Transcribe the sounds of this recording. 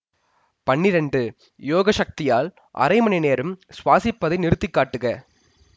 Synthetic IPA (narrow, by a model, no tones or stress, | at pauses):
pɐɳːɪɾɛɳɖɯ | joːɣɐʃɐk̚t̪ɪjaːl | ʔɐ̰ɾɐɪmɐnɐɪneːɾɯmsʋaːsɪpːɐðɐɪnɪɾɯt̪ːɪkːaːʈːɯɣɐ